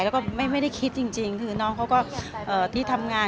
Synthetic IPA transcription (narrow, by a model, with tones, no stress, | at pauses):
lɛː˧˦˥wkɔː˥˩ma˥˩jma˥˩jɾa˥˩jkʰi˦˥t̪̚t͡ɕi˧ŋt͡ɕi˧ŋt̪ʰɯː˨˩˦nɔː˦˥ŋkʰwkɔː˥˩ʔɤː˨˩t̪ʰiː˥˩t̪ʰa˧mŋaː˧